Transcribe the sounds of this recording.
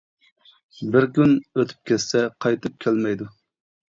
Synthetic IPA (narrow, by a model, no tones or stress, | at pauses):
bɪɾkʲynøt̪ʰy̥p̚kʲʰɛssɛqʰɑjt̪ʰɨp̚kʲʰɛlmɛjd̪u